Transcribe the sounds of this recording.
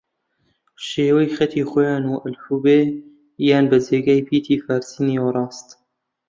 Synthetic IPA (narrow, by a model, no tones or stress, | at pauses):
ʃeːwɐjxɐt̪ʰiːxojɑːnuːʔəlhuːbeː | jaːnbəzeːɡaːjpʰiːt̪ʰiːfaːɾsiːniːoɾˤɑːst̪